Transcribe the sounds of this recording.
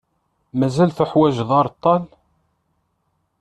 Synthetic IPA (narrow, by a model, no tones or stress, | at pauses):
mæzælθəħwæʒðˤɑɾˤt̪ˤːɑl